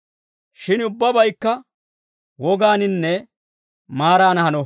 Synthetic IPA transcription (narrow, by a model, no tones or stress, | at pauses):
ʃɪnʊbːɐbɐjkːɐ | wɔɡaːnɪnːɛ | maːɾaːnɐhɐnɔ